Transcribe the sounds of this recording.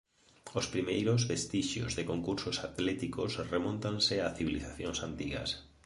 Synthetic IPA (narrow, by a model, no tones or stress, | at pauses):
ospɾimejɾozβest̪iʃjo̰zðekoŋkuɾsosat̪lɛt̪ikosremõnt̪ansɪaθiβiliθaθjoŋsant̪iɣa̰s